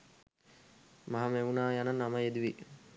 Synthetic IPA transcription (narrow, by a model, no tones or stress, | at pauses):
maɦameunaːjananːaməjed̪uʋi